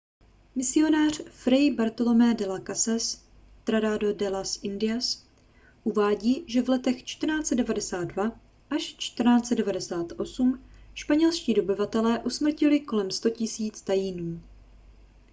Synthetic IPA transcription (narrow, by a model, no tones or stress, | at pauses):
mɪsɪo̞naːr̝̥fɾɛjbaɾt̪o̞lo̞mɛːdɛlakasas | t̪ɾadaːdodɛlasɪndɪas | ʔuvaːɟiːʒɛvlɛt̪ɛxt͡ʃt̪r̩naːt͡sɛdɛvadɛsaːd̪̚dva | ʔaʃt͡ʃt̪r̩naːt͡sɛdɛvadɛsaːt̪ʔo̞sumʃpaɲɛlʃciːdo̞bɪvat̪ɛlɛːʔusmr̩cɪlɪko̞lɛmst̪o̞cɪsiːt͡st̪ajiːnuː